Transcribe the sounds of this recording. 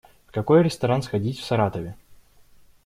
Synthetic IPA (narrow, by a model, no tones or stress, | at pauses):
kɐko̞jɾʲɪst̪ɐɾansxɐdʲitʲfsɐɾat̪əvʲɪ